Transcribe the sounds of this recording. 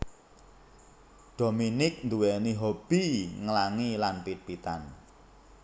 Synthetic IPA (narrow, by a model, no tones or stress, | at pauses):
ɖ̪̥o̤minɪk̚nd̪uwɛniɦob̥i̤ŋəlaŋilanpit̪̚pit̪a̰n